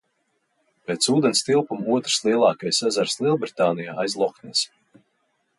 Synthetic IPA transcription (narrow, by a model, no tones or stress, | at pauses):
peːt̪suːd̪ɛnst̪ilˠpumuɔt̪ɾ̥slˠiɛlˠɑːkajsazaɾslˠiɛlˠbɾit̪aːnijaːajzlˠɔknɛs